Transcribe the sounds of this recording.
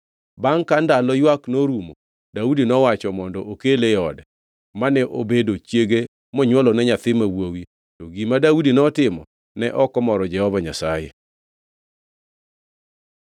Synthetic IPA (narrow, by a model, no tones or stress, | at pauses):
baŋkandalɔjwaknoɾumo | daudinɔwat͡ʃɔmɔndɔʔokeleɔdɛ | manɛʔo̰bedot͡ʃjeɡe | mɔɲwɔlɔnɛɲat̪ɪmawowi | tɔɡimadaudinɔtɪmɔ̰ | nɛʔɔkɔmɔɾɔd͡ʒɛhɔbaɲa̰sajḛ